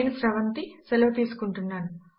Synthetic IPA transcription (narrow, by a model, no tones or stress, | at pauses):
nusɾɐʋɐnt̪iselɐʋɐt̪iːsu̥kuɳʈunːaːnu